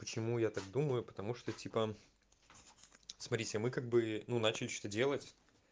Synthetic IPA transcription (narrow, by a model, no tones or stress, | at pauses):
pət͡ɕɪmujat̪aɡd̪uməjʊpət̪ɐmuʂt̪otʲipə | smɐtʲɾʲitʲɪmɨkaɡ̚bɨnunat͡ɕɪlʲɪt͡ɕot̪ədʲe̞lˠətʲ